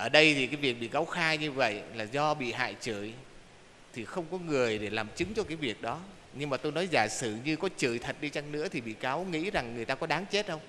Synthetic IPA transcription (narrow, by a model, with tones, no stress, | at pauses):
ʔəː˧˩ɗə˧jt̪ʰi˨˩kaː˨˦jvi˨˩ək̚ɓḭ˧˨ka˨˦wxaː˧jɲɨ˧və̰˧˨jlaː˨˩zɔ˧ɓḭ˧˨ɦa̰ː˧˨jt͡ɕɨ̰˧˩˨j | t̪ʰi˨˩xə˧wŋ͡mkɔ˨˦ŋɨ˨˩əjɗe˧˩laː˨˩mt͡ɕɨ˨˦ŋt͡ɕɔ˧kaː˨˦jvi˨˩ək̚ɗɔ˨˦ | ɲɨ˧ŋmaː˨˩t̪o˧jnɔ˨˦jzaː˧˩sɨ˧˩ɲɨ˧kɔ˨˦t͡ɕɨ˧˩jt̪ʰə˨˩t̚ɗi˧t͡ɕa˧ŋnɨ̰˧˥ət̪ʰi˨˩ɓḭ˧˨kaː˨˦wŋḭ˧˥za˨˩ŋːɨ˨˩əjt̪aː˧kɔ˨˦ɗaː˨˦ŋt͡ɕe˦˥t̚ɗə˧wŋ͡m